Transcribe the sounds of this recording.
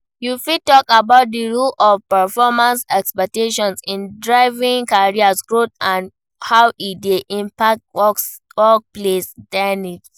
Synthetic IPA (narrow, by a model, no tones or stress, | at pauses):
jufitɔkabaʊt̚diɹulɔfpɛfɔmãnsɛkspɛk̚teʃɔ̃nsĩndɹaɪvĩŋkaɹiasɡɹotãn | haʊʔideʔĩmpak̚twɔ | wɔk̚plesdɛnit